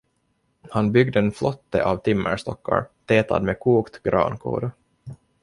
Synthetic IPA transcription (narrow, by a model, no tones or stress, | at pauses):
hanbʏɡd̪əɛnflɔt̪ːəʔaːvt̪ʰɪmːəʂt̪ɔkːa̰ɾt̪ʰeːt̪ʰa̰d̪mekʰuːkt̪ɡɾɑ̰ːnkʰṵːɾ